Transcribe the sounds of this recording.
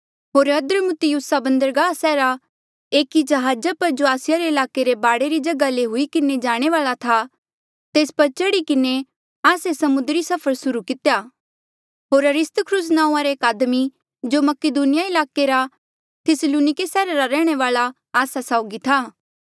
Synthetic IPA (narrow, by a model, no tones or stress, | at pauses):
ɦoːɾɐd̪ɾmʊt̪ijuːsabɐ̃nd̪əɾɡaːsɛːɾa | eːkid͡ʒɐɦaːd͡ʒapɐɾd͡ʒoaːsɪjaɾeɪlaːkeɾebaːɽeɾid͡ʒɐɡaleɦʊikɪned͡ʒaːɽ̃eʋaːɭat̪ʰa | t̪eːspɐɾt͡ʃəɽikɪne | aːsesɐmʊ̃nd̪ɾisɐpʰəɾsʊɾukɪt̪jaː | ɦoːɾɐɾɪst̪əkʰɾus̬nãːũãɾeːkaːd̪mi | d͡ʒomɐkɪd̪uːnɪjaɪlaːkeɾa | t̪ʰɪsluːnɪkesɛːɾaɾaɾɛːɽ̃eʋaːɭaː | sasaːʊɡit̪ʰaː